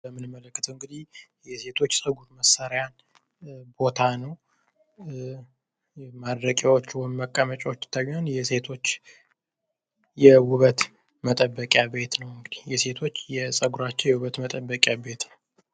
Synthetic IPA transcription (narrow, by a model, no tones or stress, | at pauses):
əmːɨnɨmːələkːɨt̪ʰəwɨŋɡɨd̪ihjɛse̞t̪ʰo̞t͡ʃːsʼəɡuɾməsːaɾjan | bo̞t̪ʰanəw | mad̪ɾəkʼjawot͡ʃːwɔjmːəkʼːamət͡ʃʼawot͡ʃːt̪ʰːajanjɛse̞t̪ʰo̞t͡ʃː | jɛwʊβət̪ | mət̪ʼəbːəkʼjabe̞t̪nəwɨŋɡɨd̪ihjɛse̞t̪ʰo̞t͡ʃːjɛsʼəɡuɾat͡ʃːɛwjɛwuβət̪mət̪ʼəbːəkʼjabe̞t̪nəw